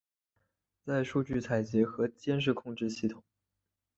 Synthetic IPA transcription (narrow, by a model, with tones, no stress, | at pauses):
t͡sa˥˧ɪʂu˥˧t͡ɕy˥˩t͡sʰa˨˩ɪt͡ɕjɛ˧˥xɤ˧˥t͡ɕjɛ˥nʂ̬ɻ̩˥˧kʰʊ˥˧ŋʈ͡ʂɻ̩˥˧ɕi˥˩t̪ʰʊ˨˩˦